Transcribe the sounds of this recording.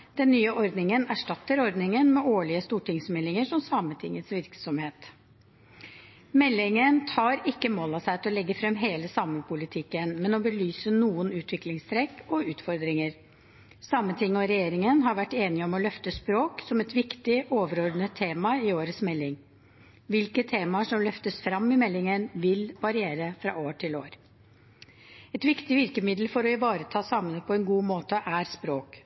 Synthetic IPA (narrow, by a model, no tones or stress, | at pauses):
d̪̥ɛnːyːəʔɔɾd̪nɪŋənæʂʈɑt̪ːəɾɔɾd̪nɪŋənmɛʔoːɭɪəst̪uːʈʰɪŋsmɛlːɪŋəʂɔmsɑmət̪ʰɪ̰ŋːət̪sʋɪɾksɔmheːt̪ | mɛlːɪŋənt̪ʰɑːɾɪkːəmoːlɑsæɪt̪ʰɔlɛɡːəfɾɛmːɦeːləsɑməpʰʊlɪt̪ʰɪkːənmɛnɔbəlyːsənuːənʉːt̪ʋɪklɪŋst̪ʰɾɛkːɔʉːt̪fɔɾd̪ɾɪŋəɾ | sɑmːət̪ʰɪŋːɔɾɛjeːɾɪŋənɦɑɾʋæʈːeːnɪɔmɔlœft̪əspɾoːksɔmɛt̪ʋɪkt̪ɪʔoːʋəɾɔɾd̪nət̪ʰːeːmɑɪoːɾəsmɛlːɪŋ | ʋɪlkət̪ʰeːmɑʂɔmlœft̪əsfɾɑmːɪmɛlːɪŋənʋɪlʋɑɾɪeːɾəfɾɑ̰ːʔoːʈʰɪloːɾ | ɛt̪ʋɪkt̪ɪʋɪɾkəmɪd̪lfɔɾɔɪʋɑːɾət̪ʰɑːsɑmənəpʰɔɛnɡuːmoːt̪əʔæɾspɾoːk